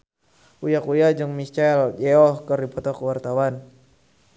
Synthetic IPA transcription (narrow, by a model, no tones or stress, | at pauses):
ujakujad͡ʒɨŋmist͡ʃald͡ʒɛɔhkərdipɔt̪ɔkəwart̪awan